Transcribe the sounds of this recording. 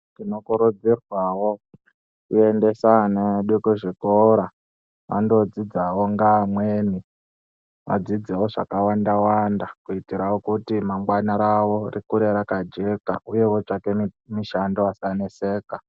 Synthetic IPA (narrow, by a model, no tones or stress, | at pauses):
tino̞kuɾud͡zirwawo | kue̞nde̞saneɗukuʐikoɾa | ʋa̰ndo̞d͡zid͡zawo̞ŋɡamweːni | ʋa̰d͡zid͡zewoʐa̰kawandawandakuitiɾawokutimaŋɡwanaɾaʋorikuɾeɾakad͡ʒe̞ka̰ʔuje̞wot͡ʂakemiʃandoasanese̞ːka